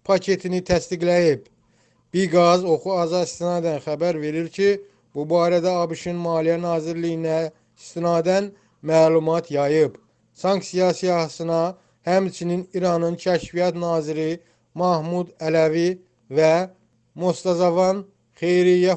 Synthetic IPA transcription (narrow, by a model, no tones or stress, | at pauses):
pʰɑcʰe̞t̪ʰinit̪ʰæst̪iɡlæjib | b̥iɾɡɑzo̞xuɑzɑist̪inɑːd̪ænxæbæɾve̞ɾiɾcʰi | b̥ubɑːɾæd̪æɑbiʃinmɑːlijænɑːziɾlijinæ | ist̪inɑːd̪æn | mæːlˠumɑt̪ʰjɑjɯb | sɑŋksijɑsijɑsɯnɑ | hæmt͡ʃʰininiɾɑnɯncʰæʃvijɑt̪nɑːziɾi | mɑhmud̪ælævi | væ | mo̞st̪ɑzɑvɑn | χe̞jɾijæ